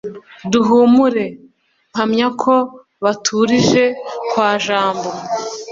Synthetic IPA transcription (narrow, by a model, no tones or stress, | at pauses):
duɦumuɾe̞ | ŋ̥amɲakʰo̞ | βatʰuɾiʒe̞kwaːʒaːmbo̞